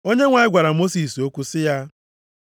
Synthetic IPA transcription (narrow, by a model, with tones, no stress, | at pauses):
o˦ɲe˦ŋʷa˨ɪ˦ɡʷa˨ɾa˨mo˦si˨so˦kʷu˦sɪ˦ja˦